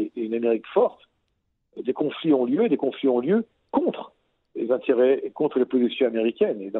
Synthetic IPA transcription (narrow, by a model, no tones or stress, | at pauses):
ynameʁikfɔʁt̪ | d̪ekɔ̃fliɔ̃ljøed̪ekɔ̃fliɔ̃ljø | kɔ̃t̪χ | lezɛ̃t̪eʁɛkɔ̃t̪χəlepozisjɔ̃ameʁikʲɛned̪ɑ̃